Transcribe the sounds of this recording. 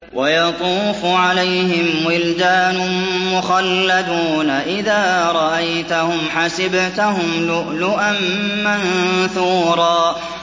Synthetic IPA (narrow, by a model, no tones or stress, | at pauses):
wʔajɑt̪ˤuːfʊʕalajhɪmwɪld̪aːnʊmʊxalːad̪uːnaʔɪðaːɾˤɑʔajt̪ahʊmħasɪbt̪ahʊmlʊʔlʊʔanːanθuːɾˤɑː